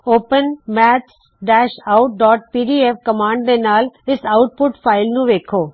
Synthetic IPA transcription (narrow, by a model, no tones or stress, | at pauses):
oːpənmɛːt̪s | ɖɛːʃaʊʈ̚ɖɔːʈ̚piːɖiːefkɐmãːɳɖd̪enaːlɪsaʊʈ̚pʊʈfʰaːɪlnũʋeːkʰoː